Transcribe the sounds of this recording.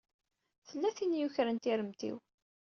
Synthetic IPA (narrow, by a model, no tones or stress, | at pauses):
θəlːæθinjuçɾənt̪iɾəmt̪ḭw